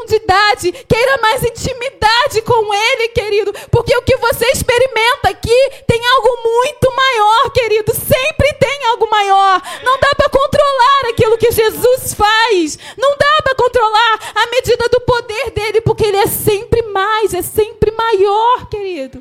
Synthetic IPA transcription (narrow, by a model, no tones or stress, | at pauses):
d͡ʒid̪ad͡ʒɪkejɾɐmajzĩnt͡ʃimid̪ad͡ʒɪkõw̃elɪkeɾid̪ʊpoɾkeʊkɪvoseɪspeɾimẽnt̪ɐkɪt̪ẽj̃awɡʊmũj̃t̪ʊmajɔɾkeɾid̪ʊsẽmpɾɪt̪ẽj̃awɡʊmajɔɾnɐ̃w̃d̪apɾɐkõnt̪ɾolaɾakilʊkɪʒezusfajsnɐ̃w̃d̪apɾɐkõnt̪ɾolaɾɐmed͡ʒid̪ɐd̪ʊpod̪eɾd̪elɪpoχkeelɪɛsẽmpɾɪmajzɛsẽpɾɪmajɔɾkeɾid̪ʊ